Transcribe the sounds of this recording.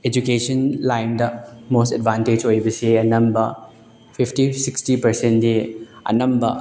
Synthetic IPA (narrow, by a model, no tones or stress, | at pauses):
ed͡ʒukesɐnlajndɐmostɛd̚bʱanted͡ʒojbɐsiɐnɐmbɐ | pʰipʰtisikstipɐɾsendiɐ̰nɐmbɐ